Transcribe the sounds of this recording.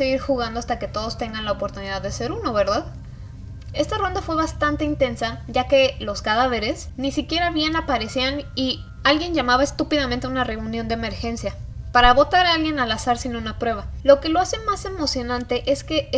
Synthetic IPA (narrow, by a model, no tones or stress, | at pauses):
seɣiɾxuɣand̪oast̪ake̞t̪o̞ðo̞st̪e̞ŋɡanlaopoɾt̪uniðaðese̞ɾuno̞βe̞ɾðað | e̞st̪aro̞nd̪afwe̞βast̪ant̪e̞int̪e̞nsaʝake̞lo̞skaðaβe̞ɾe̞snisikje̞ɾaβje̞napaɾe̞siani | alɣje̞nʝamaβaest̪upiðamẽnt̪eunare̞unjond̪eme̞ɾxe̞nsja | paɾaβo̞t̪aɾaalɣje̞nalasaɾsinounapɾwe̞β̞alo̞ke̞lo̞ase̞mase̞mo̞sjo̞nãnt̪e̞ʔe̞ske̞